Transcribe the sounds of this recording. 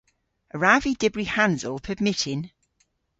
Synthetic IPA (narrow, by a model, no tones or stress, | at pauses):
əɹavidɪbɹihãnzəlˠpʰəbmɪtʰɪn